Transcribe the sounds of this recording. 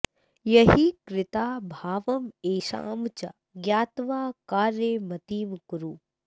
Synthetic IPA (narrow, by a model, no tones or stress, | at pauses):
jɐɦikɾɪt̪aːbʱaːʋɐmeːʃa̰ːmt͡ɕɐ̰ | ɡjaːt̪ʋaːkaːɾjeːmɐt̪iːmkuɾuː